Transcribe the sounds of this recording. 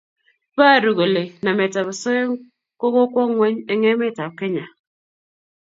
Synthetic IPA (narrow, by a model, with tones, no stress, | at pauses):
ba˦˨ɾu˨ɣo˨le˨na˨me˨ta˨βa˨so˦e˦ | ko˦ɣo˦kʷɔ˦ŋwe˦ɲe˨ŋe˦me˦˨ta˨p̚ke˦ɲa˨